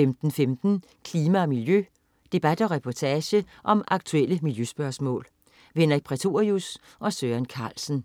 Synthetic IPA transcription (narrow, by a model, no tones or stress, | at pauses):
emd̥n̩femd̥n̩ | kʰliːmæɒmiljø | d̥e̝b̥æd̥ɒ̽ʁɛpʰɒt͡sʰɛːɕə | ʔɒ̽mɑ̈ɡ̥̚t͡sʰueləmiljøsb̥ɶɐsmɔ̰̽ːl | ʋenɐʁiɡ̚pʰʁɛt͡sʰo̝ɐius | ʔɒ̽søːænkʰɑ̈ːlsn̩